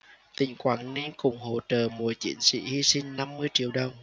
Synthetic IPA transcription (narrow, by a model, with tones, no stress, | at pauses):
t̪ï˧˩˦ŋ̟kwaː˧˩nni˧nkʊ˨˩ŋ͡mho̰˧˩t͡ɕəː˨˩mu˨˩jt͡ɕḭ˧˦˥nsḭ˧˥hi˧sï˧ŋ̟na˧mːɨ˧əjt͡ɕḭ˧˨əwɗə˨˩wŋ͡m